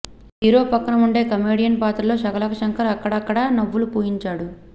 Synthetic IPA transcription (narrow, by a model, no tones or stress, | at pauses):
ɦiːɾo̞ːpɐkːɐnɐmuɳɖe̞ːkɐme̞ːɽijɐnpaːt̪ɾɐlo̞ːʃɐkɐlɐkɐʃɐŋkʰɐɾɐkːɐɽɐːkːɐɽɐnɐʋːulupuːjiɲt͡ʃaːɽu